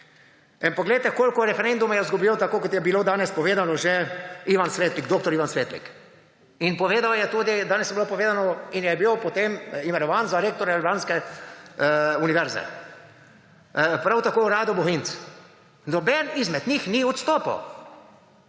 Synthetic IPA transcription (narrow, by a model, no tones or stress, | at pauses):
inpɔɡlejt̪ɛkoːlkɔɾɛfɛɾend̪umajɛzɡɔbiːlɔt̪akoːkɔt̪jɛbiloːd̪aːnɛspɔʋeːd̪anɔʒɛiːʋansʋeːt̪liɡd̪oːk̚t̪ɔɾiʋansʋeːt̪lḭk | inpɔʋeːd̪awjɛt̪uːd̪id̪aːnɛsjɛbilopɔʋeːd̪anɔinjɛbiwpot̪emimɛnɔʋaːnzaɾeːk̚t̪ɔɾalbaːnskɛ | uniʋɛɾzɛ̰ | pɾawt̪akoːɾaːd̪ɔboɦint̪s | nɔbɛnizmɛd̪ɲixniɔt̪st̪oːpa̰w